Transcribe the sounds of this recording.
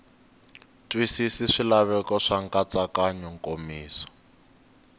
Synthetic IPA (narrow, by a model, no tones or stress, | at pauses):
tʼwisisiʂilaβɛkɔʂaŋkʼat͡sakaɲɔŋkʼomiːsɔ̥